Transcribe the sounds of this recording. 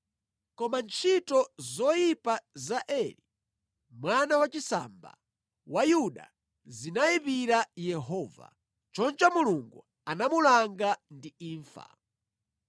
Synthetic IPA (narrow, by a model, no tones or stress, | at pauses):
kɔmant͡ʃʰitɔzɔjipazaʔɛli | mwanawat͡ʃisa̰ːmba̰ | wajuɗa̰ | zinajipiɾajɛɦɔːva̰ | t͡ʃɔnt͡ʃamuluŋɡṵ | anamulaŋɡandiiːɱfa̰